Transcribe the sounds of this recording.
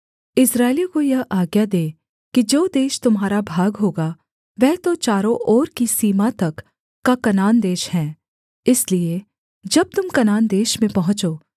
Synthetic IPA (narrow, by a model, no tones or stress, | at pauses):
ɪsɾaːɪlikojɐɦʔaːɡjad̪eː | kid͡ʒoːd̪eːʃt̪ʊmɦaːɾabʱaːɡɦoːɡa | ʋɛɦt̪ot͡ʃaːɾõʔɔːɾkisiːmat̪ɐkː | akɐnaːnd̪eːʃhɛ̃ː | ɪslie | d͡ʒɐb̚t̪ʊmkɐnaːnd̪eːʃmẽpɐɦʊ̃t͡ʃoː